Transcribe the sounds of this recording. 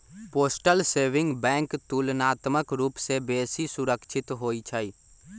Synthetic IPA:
poːsʈəlseːʋɪ̃ŋɡbɛ̃ːŋkt̪uːlnaːt̪məkɾuːpsebeːsisʊɾəkʃʰɪt̪ɦoːit͡ʃʰaiː

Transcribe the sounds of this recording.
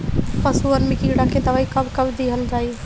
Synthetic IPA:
pɐsuənmĩkiɽakʰed̪ɐʋaːikɐbkɐbd̪iɦəlɾaːi

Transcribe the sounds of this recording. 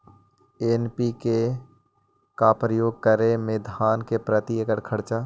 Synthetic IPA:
enpike | kapɾəjoːɡ̚kəɾemed̪ʱaːnkepɾət̪iekəɽkʰəɽt͡ʃaː

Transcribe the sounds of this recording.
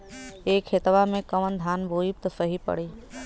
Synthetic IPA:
eːkhet̪ʋamẽkəʋənd̪ʱaːnbʱoːip̚t̪ɐsəɦipə̰ɽ̤iː

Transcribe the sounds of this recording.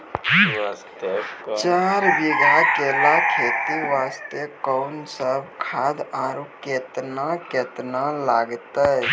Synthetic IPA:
t͡ʃaːɾbiɡakeːlakʰeːt̪iʋaːst̪ekɔʊnsəbʱkʰaːd̪aɾuket̪naket̪nalaːɡt̪ə

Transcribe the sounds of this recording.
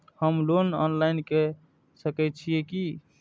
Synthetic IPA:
həmlonɔnlainke | səkɛt̪̚t͡ʃʰieki

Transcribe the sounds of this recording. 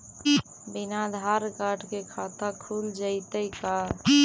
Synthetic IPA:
binad̪ʱaɾkaʈkekʰat̪akʰuld͡ʒəɪt̪əjka

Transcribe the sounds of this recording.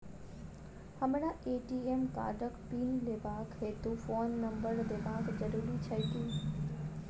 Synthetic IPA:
hɐmɪɽãʔeːʈiːeːmka̰ːɖəkpiːnlebʱaːkɦeːt̪ufoːnːɐ̃mbəɾlebʱaːkd͡ʑɐɾuːɾit͡ɕʰɐt̪iː

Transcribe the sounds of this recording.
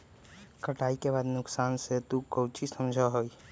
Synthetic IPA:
kʰəʈaːikebaːd̪nʊksaːnset̪ukəwt͡ʃisəmd͡ʒʱaɦoːi

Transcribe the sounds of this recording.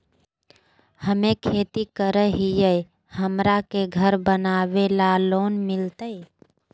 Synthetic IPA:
həmẽkʰeːt̪ikəɾəɦijəj | həmɾakeɡʱəɾbənaːʋelaloːnmɪlt̪əe

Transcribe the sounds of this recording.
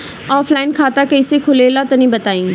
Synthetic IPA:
ɔːflaːɪnkʰaːt̪akɐɪsekʰʊlelat̪ɐnĩbɐt̪aːĩː

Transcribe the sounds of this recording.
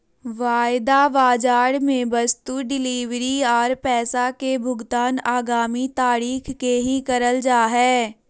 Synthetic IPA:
ʋaːɪd̪aʋaːd͡ʒaːɽmẽbɐst̪uɖɪliːʋɾiɔːɾpɛːsakebʱʊɡt̪aːnaːɡaːmit̪aːɾiːxːeɦĩkɐɾəld͡ʒaːɦɛː

